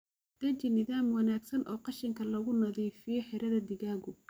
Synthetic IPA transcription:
d̪̥ɐt͡ʃɪnɪðaːmwɑnaːɡsɐnʔɔːqɑʃɪŋkʰɐlɐɣʊnɐðiːfɪjɔħɪɾɐðɐd̪ɪɣaːɣʊ

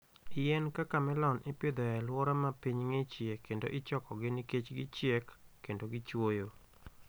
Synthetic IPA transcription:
ɪjɛnkakamɛlɔnʔɪpɪd̪ɔjɛlwɔɾɔmapiɲŋɪt͡ʃjekendo̰ʔɪt͡ʃɔkɔɡɪniket͡ʃɡɪt͡ʃjekːendoɡɪt͡ʃwojo

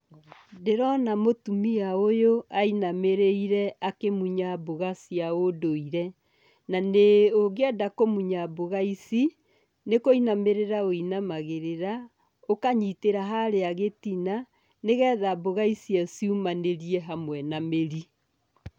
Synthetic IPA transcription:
deɾɔnamotumiaojoainameɾeiɾɛakemuɲaboɣasiaodoiɾɛ | naneoɣeadakomuɲaboɣaisi | nekoinameɾeɾaoinamaɣeɾeɾa | okaɲiteɾaɦaɾeaɣetina | neɣɛːðaboɣaisiaosiumaneɾiɛɦamwɛnameɾi

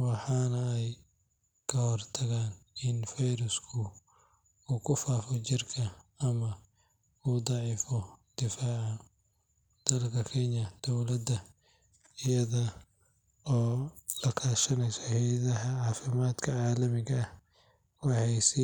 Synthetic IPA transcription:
wɑħɑːnɐɛj | kʰɐhɔrt̪ʰɐɣaːnɪnfɛjɾʊskʰʊ | uːkʰʊfaːfɔt͡ʃɪrkʰɐːmɐ | uːd̪ɑʕiːfɔd̪̥ɪfaːʕɑ | d̪̥ɐlkʰɐkʰɛnjɐd̪̥ɔwlɐd̪ɐ | ɪjɐðɐ | ɔːlɐkʰaːʃɐnɛjsɔhɛjðɐɦɐʕɑːfɪmaːd̪kʰɐʕɑːlɐmɪɣɐːh | wɑħɑjsɪ

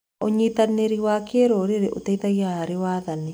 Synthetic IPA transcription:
oɲit̪aneɾiwakeɾoɾeɾeʔotɛiðaɣahaɾewaːðane

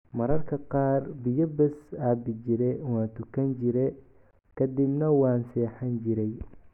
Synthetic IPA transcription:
mɐɾɐrkʰɐqɑːrbɪjɔbɛsaːbɪt͡ʃɪɾɛwɑːnt̪ʰʊkʰɐnt͡ʃɪɾɛ | kʰɐd̪ɪbnɐwɑːnsɛːħɐnt͡ʃɪɾɛj

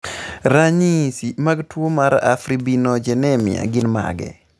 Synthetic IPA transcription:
ɾaɲisimaɡtwomaɾafɾibinɔd͡ʒɛnɛmɪ̰a̰ɡɪnma̰ɡɛ̰

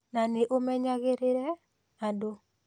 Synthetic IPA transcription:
naneʔomɛɲaɡɪɾɪɾɛ | ado

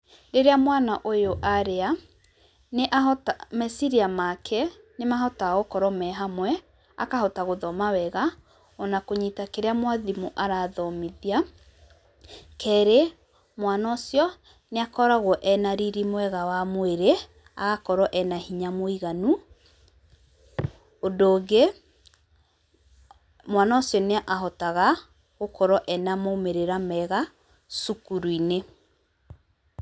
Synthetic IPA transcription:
ɾeɾeamwanaʔojoʔaɾea | neʔaɦɔtamɛsiɾiamakʰɛ | nemaɦɔtaɣokɔɾɔmɛɦamwɛ | a̰kahɔtaɣoðɔmawɛɣa | ɔnakoɲitakeɾeamwaðimuʔaɾaðɔmiðia | kʰɛɾe | mwanɔsjɔ | neakɔɾaɣwɔʔɛnaɾiɾimwɛɣawamoeɾe | a̰ɣakɔɾɔʔɛnahiɲamoiɣanu | odoːɡe | mwanaosjɔneaʔaɦɔtaɣa | ɣokɔɾɔʔɛnamoumeɾeɾamɛɣa | sukuɾuine

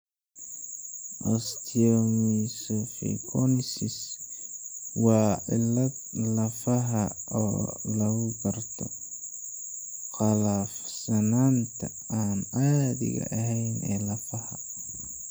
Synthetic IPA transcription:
ʔɔst̪ʰiɔmisɔfɛ̰kʰɔnsɪs | wɑːlɐ | lɐfɐɦɐɔ̰ːlɐɣʊbɐrt̪ʰɔ | qɑlafsɐnaːnt̪ʰɐ | aːnaːðɪ̰ɣɐ̰ʔɐɦɛjnʔɛ̰ːlɐfɐhɐ

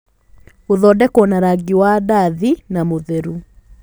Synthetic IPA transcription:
oðɔdɛkwɔnaɾaɡiwadaðinamoðeɾu

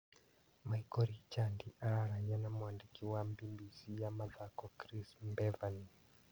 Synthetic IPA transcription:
maikɔɾit͡ʃandiʔaɾaɾaɲanamuandikiwambimbisijamaðakɔkɾismbɛvani

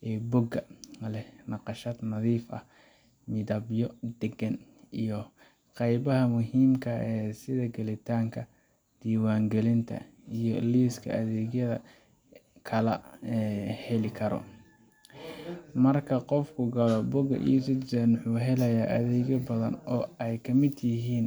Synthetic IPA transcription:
ɛːbʊɡɐlɛnɑqɑʃaːd̪nɐðiːfʔɐ̰h | mɪðɐbjɔd̪ɛɡɐn | ijɔ | qɑjβɐɦɐmʊɦiːmkʰɐɛːsɪðɐɡɐlɪt̪ʰaːŋkʰɐ | d̪̥iːwaːŋɡɛlɪnt̪ʰɐ̰ | ijɔliːskʰɐ̰ʔɐðɛːɣjɐðɐ̰ | kʰɐlɐɛhɛlɪkʰɐɾɔ̰ | mɐrkʰɐqɔfkʰʊɡɐlɔbʊɡɐ̰ʔḭsɪsɛnʊħuːɦɛlɛjaːʔɐðɛːɣɐbɐðɐ̰nɔːɛjkʰɐmɪd̪jɪɦiːn

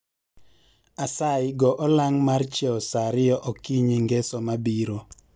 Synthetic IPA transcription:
asaɪɡɔʔɔlaŋmart͡ʃɛɔsaɾɪjɔʔɔkiɲeŋɡɛsɔmabiɾo

